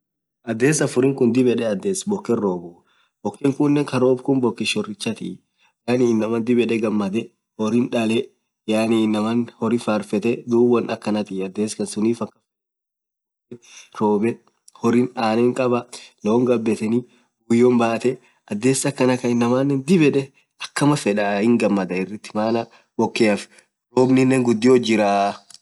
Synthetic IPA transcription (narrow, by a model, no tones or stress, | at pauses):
ʔɐd̪ːe̞ːsɐfʊɾɪŋkʊnd̪ɪbɛᶑɛɐd̪ːeːsbɔkːɛrːoːbʊ | bɔkːɛŋkʊnːɛŋkɐɾoːbkʊnbɔkːɪʃɔrɪt͡ʃːɐt̪ɪ̰ | jaːninːɐmɐnd̪ɪbɛᶑɛɡɐmːɐd̪ɛ | hɔɾɪnᶑɐlɛ | jaːniːnːɐmɐnhɔɾɪfaːɾfɛt̪ɛd̪uːbɐnɐkːɐnɐt̪ɪɐd̪ːe̞ːskɐnsʊniːfɐkːɐ̥f | ɛɾoːbɛ | hɔɾɪnaːnɛŋkʼɐbɐnoːŋɡɐbːɛt̪ɛni | ʊjːombaːt̪ɛ | ɐd̪ːe̞ːsːɐkːɐnɐkɐɪnːɐmanːɛnd̪ɪbɛᶑɛ | ɐkːɐmɐfɛᶑɐhɪŋɡɐmːɐd̪ɐɪrːɪt̪ːɪ̥maːnɐ | bɔkːeːɐf | ɾoːbnɪnːɛŋɡʊd̪ːɪod͡ʒɪɾaː